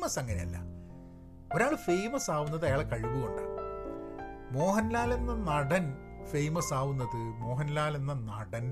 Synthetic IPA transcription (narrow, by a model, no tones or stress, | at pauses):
mɐsɐŋːɐnḛɐ̰lːɐ̰ | o̞ɾaːɭɨfe̞jmɐsaːʋunːɐðɐjaːɭekɐɻiʋuɣo̞̰ɳɖa̰ː | mo̞ːɦɐnlaːlenːɐnɐɽɐn | fejmɐsaːʋunːɐðɨmo̞ːɦɐnlaːlenːɐnɐɽɐn